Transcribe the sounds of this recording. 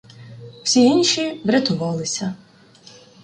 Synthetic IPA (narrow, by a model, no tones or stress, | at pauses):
w̥sʲiinʲʃʲiʋɾʲɐt̪ʊʋɑlˠɪsʲɐ